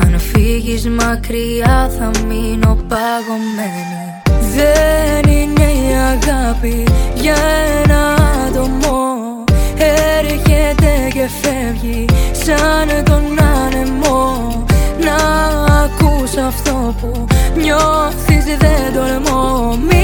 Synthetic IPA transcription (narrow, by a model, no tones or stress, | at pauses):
ɐnfiʝizmɐkɾiɐθɐminopɐɣomːe | ðenineiɐɣapiʝɐenɐt̪omo | eɾiʝet̪ekefevʝisɐnðonːɐnemo | nɐː | kusɐft̪opu | ɲoθizðeðolemomi